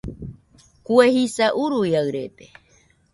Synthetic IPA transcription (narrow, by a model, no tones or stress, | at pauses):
kuehisaʔuɾujaɨɾet̪e